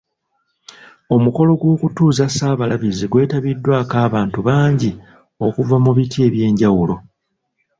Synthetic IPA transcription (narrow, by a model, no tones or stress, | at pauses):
o̞muko̞lo̞ɡwo̞ːkutuːzasaːβalaβiziɡwe̞ːtaβidːwaːkaːβaːntuβaːɲɟi | o̞kuvamuβitʰie̞ːβje̞ːɲɟawulo̞